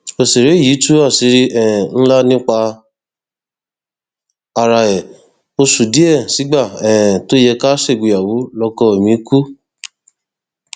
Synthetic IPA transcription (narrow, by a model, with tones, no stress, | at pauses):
o˧se˨ɾe˨˦i˦˨ji˨˦tu˦a˦˨si˧˦ɾi˦ɛ˦˨n̩˦la˦nĩ˦k͡pa˧ | a˧ɾa˧ɛ˨ | o˧su˨di˦ɛ˦˨si˨˦ɡ͡ba˦˨ɛ̃˨to˦jɛ˧ka˦se˦˨ɡu˧˨ja˨wu˨˦lɔ˧kɔ˧e˨mĩ˨˦ku˦